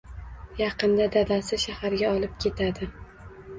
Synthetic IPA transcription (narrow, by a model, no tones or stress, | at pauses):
jɑqɨnd̪ad̪ad̪asɪʃahaɾɡʲaɒlˠɪp̚kʲʰe̞t̪ʰad̪ɪ